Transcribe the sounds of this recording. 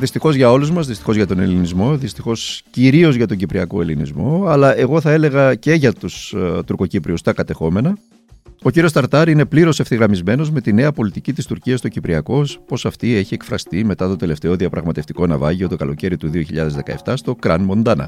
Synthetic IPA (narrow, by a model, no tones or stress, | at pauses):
ðist̪ixo̞zʝɐo̞luzmɐzðist̪i̥xo̞zʝɐt̪o̞ne̞linizmo̞ðist̪ixo̞sciɾio̞zʝɐt̪o̞ɲɟipɾiɐko̞e̞linizmo̞ɐlɐʔe̞ɣo̞θɐe̞le̞ɣɐce̞ʝɐt̪ust̪uɾko̞cipɾiust̪ɐkɐt̪e̞xo̞me̞nɐ | o̞ciɾio̞st̪ɐɾt̪ɐɾine̞pliɾo̞seft̪iɣɾɐmizme̞no̞zme̞t̪ine̞ɐpo̞lit̪icit̪ist̪uɾciɐst̪o̞cipɾiɐko̞spo̞sɐft̪ie̞çie̞kfɾɐst̪ime̞t̪ɐt̪o̞t̪e̞le̞ft̪e̞o̞ðiɐpɾɐɣmɐt̪e̞ft̪i̥ko̞nɐvɐʝio̞t̪o̞kɐlo̞ce̞ɾit̪uðio̞çiʎɐðe̞zðe̞kɐ̰eft̪ɐst̪o̞kɾɐ̰nmo̞nd̪ɐnɐ̰